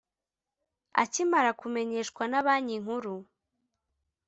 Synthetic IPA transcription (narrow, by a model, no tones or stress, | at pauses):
a̰cimaɾakume̞ɲe̞ʃkwanaβaːɲiŋhuɾu